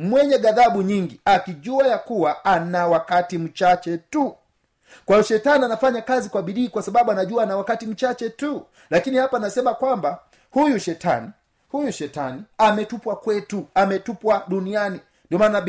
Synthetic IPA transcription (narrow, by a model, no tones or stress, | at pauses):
mwɛɲɛɠaðaɓuɲiŋɡiakiʄuajakuwaanawakatim̩t͡ʃat͡ʃɛtu | kwaiɔʃɛtanianafaɲakazikwaɓiɗiːkwasaɓaɓuanaʄuanawakatim̩t͡ʃat͡ʃɛtu | lakinihapaːnasɛmakwamba | hujuʃɛta̰ni | hujuʃɛta̰niamɛtupwakwɛtuamɛtupwaɗuniani | ndiɔmaːna